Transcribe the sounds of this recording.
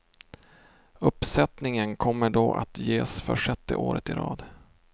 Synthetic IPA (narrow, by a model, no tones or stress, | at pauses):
ɵpːsɛt̪nɪŋənkʰɔmːəɖoːʔa̰t̪jeːsfœʂɛt̪ːə̰ʔoːɾət̪ɪɾɑ̰ːd̪